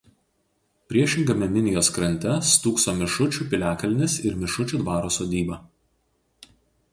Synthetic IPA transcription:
pʲɾʲiɛʃʲɪŋɡɐmʲɛmʲɪnʲɪjoːskɾɐnʲt̪ʲɛst̪uːksoːmʲɪʃʊt͡ʃʲuːˑpʲɪlʲæːkɐlʲnʲɪsɪɾmʲɪʃʊt͡ʃʲuˑd̪ʋɑːɾoːsoːd̪ʲiːbɐ

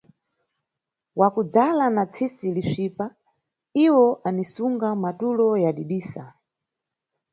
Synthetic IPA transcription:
wakud͡zalanat͡sʰisiliʂiːpa | iwɔʔanisuŋɡamatulɔjaɗiɗiːsa

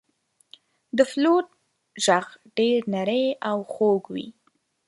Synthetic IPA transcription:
d̪əflot̪̚ | ʒaɣɖeɾnaɾəjawxoɡwḭ

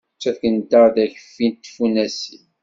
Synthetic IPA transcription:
t͡ʃːæθkənd̪əɾðæçə̥fːint̪ːfunæsi

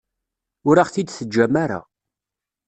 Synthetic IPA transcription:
ʊɾaʁθid̪θəd͡ʒːæmaɾa̰

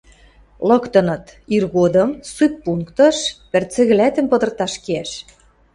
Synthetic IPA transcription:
lɤ̆kt̪ɤ̆nɤ̆t̪irɣod̪ɤ̆msupːuŋkt̪ɤ̆ʃpɘ̆rt͡sɘ̆ɣɘ̆læt̪ə̆mpɤ̆d̪ɤ̆rt̪ɑʃkeæʃ

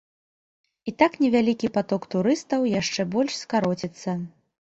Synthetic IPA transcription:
it̪aknʲɛvʲalʲikʲipat̪ɔkt̪uɾɨst̪ɐwjaʂt͡ʂɛbɔlʲʂskaɾɔt͡sʲit̪sːɐ

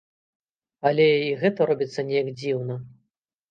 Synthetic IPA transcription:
ɐlʲɛiɣɛt̪ɐɾɔbʲit̪sːɐnʲɛjɐɡd͡zʲiwnɐ

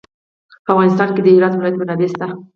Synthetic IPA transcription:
pəafɣɑnɪst̪ɑnked̪əiɾɑd̪wɪlɑjat̪mʊnad̪est̪a

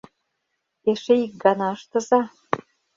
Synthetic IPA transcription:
eʃĕik̚ɡɑnɑəʃt̪ɤ̆zɑ

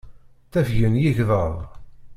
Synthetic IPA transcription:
θæfʝənjiʝðˤəðˤ

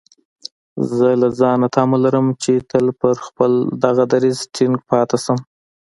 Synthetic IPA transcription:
zəlazɑnat̪ʰɑmolaɾəmt͡ʃet̪əlpəɾxpəld̪aɣad̪aɾizʈʰɪŋɡpɑt̪asəm

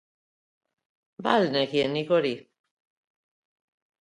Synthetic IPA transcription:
balneɣienikoɾi

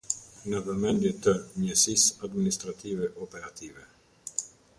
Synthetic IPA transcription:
navəmɛnd̪jɛt̪əmɛsisad̪minist̪ɾat̪ivɛʔɔpɛɾat̪ʰivɛ

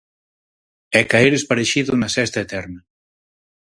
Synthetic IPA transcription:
ɛkaeɾespaɾeʃiðʊnɐsɛst̪ɐet̪ɛɾnɐ

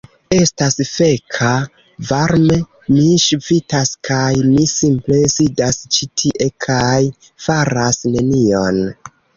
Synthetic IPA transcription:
e̞stasfe̞kʰa | vaɾme | miʃvitaskʰajmisimple̞sidast͡ʃitʰiʔe̞kʰaj | faɾasne̞nio̞n

